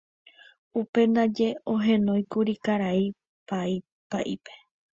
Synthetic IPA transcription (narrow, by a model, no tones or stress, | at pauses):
upe̞nd̪ad͡ʒe̞oɦẽ̞nõ̞j̃kuɾikaɾai | pai | paʔipe̞̥